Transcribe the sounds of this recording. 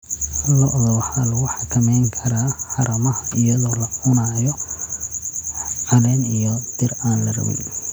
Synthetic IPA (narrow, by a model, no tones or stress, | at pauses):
hɐlːɔʔðɔwɑħaːlɐɣʊħɑkʰɐmɛjŋkʰɐɾaːħɑɾɐmɐhɐɪjɐðɔːlɐʔʊnajɔ | ʕɑlɛnijɔd̪̥ɪraːnlɐrɐ̰wɛ̰j